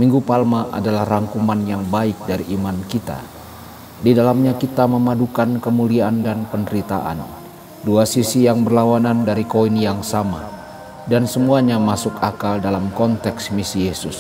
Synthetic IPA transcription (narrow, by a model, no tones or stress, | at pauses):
miŋɡupalmaʔa̰dalahraŋkumanjaŋbaɪk̚daɾiʔːmankit̪a̰ | didalamɲakit̪aməmadukankəmuliaːndanpəndəɾit̪a̰ʔa̰n | duasisijaŋbərlawanandaɾikoinijaŋsama̰ | dansəmuaɲamasʊkakaldalamkɔnt̪ɛksmisijesʊs